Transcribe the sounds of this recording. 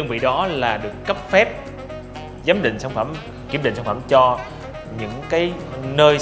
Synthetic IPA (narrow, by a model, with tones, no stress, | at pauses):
ɨ˧ŋvḭ˧˨ɗɔ˨˦laː˨˩ɗɨ˨˩əkːə˦˥p̚fɛ˦˥p̚ | zə˨˦mɗḭ̈˧˨ŋ̟sa˧wŋ͡mfə˧˩m | ki˧˩əmɗḭ̟˧˨sa˧ŋ͡mfə˧˩mt͡ɕɔ˧ | ɲɨ̰˧˥ŋkaː˨˦jnəː˧j